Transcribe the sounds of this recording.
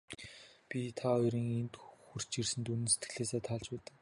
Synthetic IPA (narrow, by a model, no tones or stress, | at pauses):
pʲit̪ʰaœɾiːŋent̪xur̥t͡ɕirsɘ̆nt̪unɵ̆nse̥t̪ɡɘ̆ɮeːseːt̪ʰaɮt͡ɕpæːt̪ɘ̆k